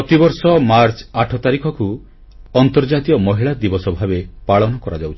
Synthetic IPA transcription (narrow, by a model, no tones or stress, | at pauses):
ɔt̪ibɔɾsɔmaɾt͡ʃaʈʰɔt̪aɾikʰɔku | ɔnt̪ɔɾd͡ʒat̪iɔmɔɦiɭad̪ibɔsɔbʱabepaɭɔnɔkɔɾad͡ʒawt͡ʃʰi̥